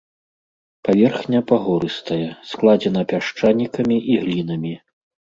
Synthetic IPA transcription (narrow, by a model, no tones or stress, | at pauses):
pavʲɛrxnʲɐpaɣɔɾɨst̪ɐjɛsklˠad͡zʲɛnɐpʲaʂt͡ʂanʲːikɐmʲiʔiɣlʲin̪ɐmʲi